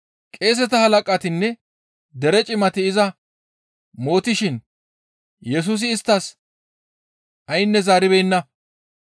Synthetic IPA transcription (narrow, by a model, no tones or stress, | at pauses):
kʼe̞ːs̬ɛt̪ɐhɐlɐkʼɐt̪ɪnːɛ | d̪ɛɾɛt͡ʃʼɪmɐt̪ɪɪzɐ | mo̞ːt̪ɪʃɪn | jɛs̬uːs̬ɪːst̪ːɐs | ʔɐjɪnːɛzaːɾɪbɛjnːɐ